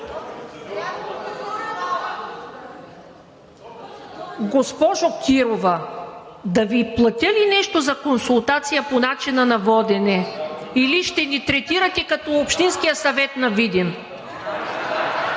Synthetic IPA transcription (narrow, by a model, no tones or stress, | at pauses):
ɡospɔʒokʲʰiɾovɐ | d̪ɐviplˠɐt̪ʲəlinɛʃt̪ozɐkonsulˠt̪at̪sijəponat͡ʃinənɐvɔd̪ɛnɛ | iliʃt̪ɛnit̪ɾɛt̪iɾət̪ɛkɐt̪ɔopʃt̪inskijəsɐvɛt̪nɐvid̪in